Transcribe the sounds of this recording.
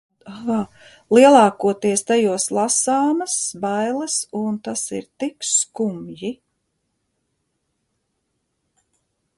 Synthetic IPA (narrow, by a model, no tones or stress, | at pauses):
lˠiɛlˠɑːkuɔt̪iɛst̪ajuɔslˠasɑːmɐsbajlˠɐsunt̪asḭɾt̪ikskumji